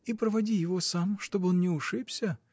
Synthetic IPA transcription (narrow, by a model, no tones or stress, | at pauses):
ipɾəvɐdʲijɪvo̞samʂt̪obɨonnʲɪʊʂɨpsʲə